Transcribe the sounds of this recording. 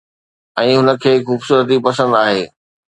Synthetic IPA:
ɛ̃ːɦʊnə̆kʰeːxuːbsuːɾət̪̬ipɐsə̃nd̪aːɦeː

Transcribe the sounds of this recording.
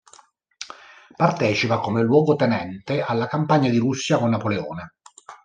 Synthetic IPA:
part̪ɛːt͡ʃipakomelwɔːɡot̪ɛnɛnt̪ealːakampaɲːad̪iɾusːjakonːapoleɔ̰ːne

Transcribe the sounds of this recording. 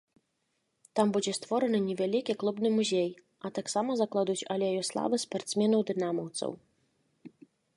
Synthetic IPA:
t̪ambud͡zʲɛst̪vɔɾɐnɨnʲɛvʲalʲikʲiklˠubnɨmuzʲɛj | ɐt̪aksamɐzɐklˠad̪ut͡sʲalʲɛjjɔslˠa̰vɨspart̪smʲɛnɐwd̪ɨnamɔwt̪sɐ̰w

